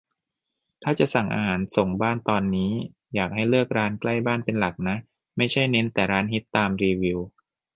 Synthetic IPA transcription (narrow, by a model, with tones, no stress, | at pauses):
t̪ʰaː˥˩t͡ɕa˨˩ʔsa˨˩ŋʔa̰ː˧ɦaː˩˦nso˨˩ŋbaː˥˩nt̪ɔː˧nːiː˦˥ | jaː˨˩k̚ha˥˩jlɯ˥˩ək̚ɾaː˦˥nkla˥˩jbaː˥˩npe˧nla˨˩k̚na˦˥ʔ | ma˥˩jt͡ɕʰa˥˩jne˦˥nt̪ɛː˨˩ɾaː˦˥nɦi˦˥t̪ːaː˧mɾiː˧wi˧w